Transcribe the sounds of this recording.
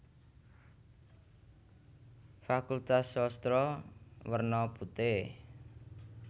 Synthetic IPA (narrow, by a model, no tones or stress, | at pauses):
fakult̪asɔst̪ɾɔwərnɔput̪e